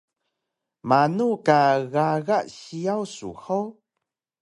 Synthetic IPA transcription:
manukaɣaɣaʔɕiawsṵxow

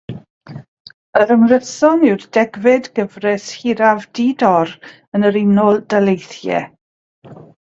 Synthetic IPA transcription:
əɾəmrəsɔnɪwrdɛɡvɛdɡ̥əvrɛshiɾavdiːdɔɾ | ənəɾɪnɔlˠdalejθjɛ̰

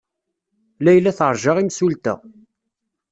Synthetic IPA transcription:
læjlːæθəɾˤʒɑʁimsult̪ə̰

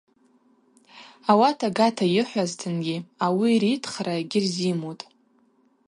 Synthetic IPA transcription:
awatʰaɡatʰajɪħʷaztʰɨnɡʲiawiɾitʰχraɡʲɪrzimotʼ

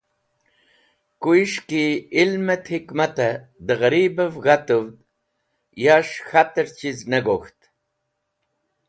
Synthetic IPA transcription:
kuiʂkiːlmet̪hikmat̪ɐd̪əɣɐɾibəvɣat̪əwd̪ | jaʂxat̪əɾt͡ɕiznəɡoxt̪

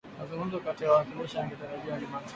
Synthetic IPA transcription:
mazuŋɡum̩zɔkatiawakuniʃaaŋɡitaɾaʄialimat

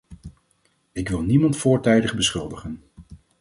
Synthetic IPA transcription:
ɪkʋɪlˠnimɑntfʊːɹtɛjdəχbəsχɵlˠdəχən

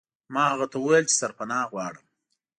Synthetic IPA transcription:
mɑhaɣat̪awəwajlt͡ʃe̥saɾpanɑɣwɑɽəm

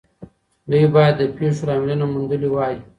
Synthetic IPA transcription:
d̪əjbɑjad̪ːəpeʂoɾɑmelənamund̪əliwɑji

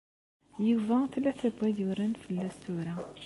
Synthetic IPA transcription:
jivæθlːæθæbʷːæðuɾænfəlːæst̪uɾæ

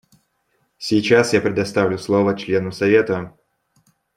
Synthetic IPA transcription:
sʲɪjt͡ɕasjapɾʲɪd̪ɐst̪avlʲʊslˠovət͡ɕlʲe̞nəsɐvʲe̞t̪ə

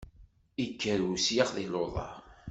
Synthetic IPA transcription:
ikːəɾusjaʁðiloðˤɑ̰ɾ

